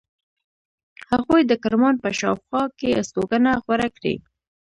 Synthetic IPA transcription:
haɣojd̪əkaɾmɑnpəʃɑwxwɑkest̪oɡənaxwaɾakɽḭ

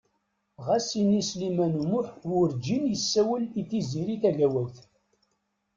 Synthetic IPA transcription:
ʁæsinislimænumʊħwʊɾd͡ʒinjəsːæwəliθiziɾiθæʝæwæwθ

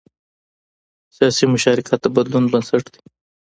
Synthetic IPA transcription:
sijɑːsimʊʃɑɾɪkʰat̪ːabɐd̪lunbɐnsɐʈd̪i̥

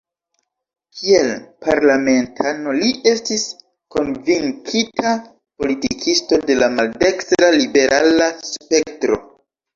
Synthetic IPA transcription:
kʰielpaɾlame̞ntʰano̞liʔe̞stis | ko̞nviŋkʰitʰa | po̞litikʰisto̞de̞lamalde̞kstɾalibe̞ɾʔalaspe̞k̚tɾo̞̰

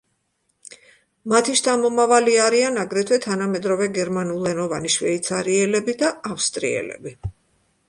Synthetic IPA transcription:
mat̪ʰiʃt̪ʰʼamɔmavaliaɾianaɡɾɛt̪ʰwɛt̪ʰanamɛd̪ɾɔvɛɡɛɾmanulˠɛnɔvaniʃwɛit̪sʰaɾiɛlɛbid̪aafst̪ʼɾḭɛ̰lɛ̰bi

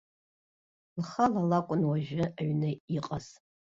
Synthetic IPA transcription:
lχɐlalakʷʼʊnwaʒɪaɥnɐiqʼɐz

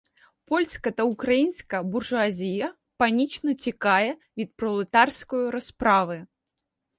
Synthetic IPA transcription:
pɔlʲsʲkɐt̪ɐukɾajinskɐburʐʊazʲijɐ | panʲit͡ʃnɔt͡sʲikajɛvʲit̪̚pɾɔlˠɨt̪arskujuɾɐspɾavɨ

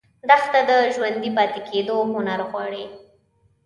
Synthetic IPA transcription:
d̪axt̪ad̪əʒwand̪ipɑt̪ɪkʰed̪oɦʊnaɾɣwɑɽe

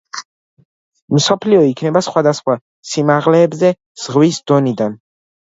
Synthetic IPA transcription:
msɔpʰliɔikʰnɛbasχwad̪asχwa | simaʁlɛːbzɛ | z̥ʁwisd̪̥ɔnid̪an

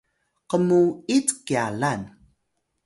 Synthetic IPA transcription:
qəmuit͡skialan

